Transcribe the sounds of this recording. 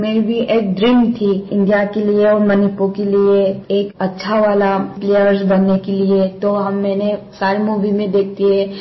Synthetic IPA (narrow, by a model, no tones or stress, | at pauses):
meːɾibʱiʔeːk̚d̪ɾɪmt̪ʰiɪ̃nd̪ijakelieɔːɾmənipokelieeːkɐtːʃʰaʋaːlapleːəɾsbənːekeliet̪oɦɐmːɛːnesaːɾemuːʋimẽd̪eːk̚ʰt̪iɦɛ̃ː